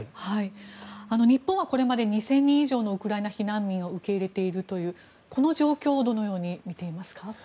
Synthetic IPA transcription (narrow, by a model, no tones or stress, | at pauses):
haiano̞ɲ̟ipːõɰ̃βako̞ɾe̞mad̪e̞ɲ̟isẽ̞ɲ̟ːĩɰ̃iʑo̞ːno̞ɯ̟kɯ̟ɾaenaçinãmːʲĩɰ̃o̞ɯ̟ke̞iɾe̞t̪e̞iɾɯ̟t̪o̞jɯ̟ː | ko̞no̞ʑo̞ːkʲo̞ːd̪o̞no̞jo̞ːɲ̟imʲit̪e̞imasɨ̥ka